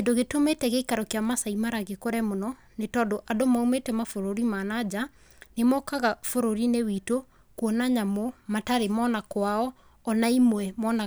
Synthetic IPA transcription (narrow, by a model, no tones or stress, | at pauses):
kendoɣetometɛɣeikaɾɔkeamasaimaɾaɣekoɾɛmonɔ | netɔːdoʔadomaumetɛmafoɾoɾimaːnad͡ʑa | nemɔkaɣafoɾoɾinewito | kwɔnaɲamomataɾemɔːnakwaɔː | naimwɛmɔna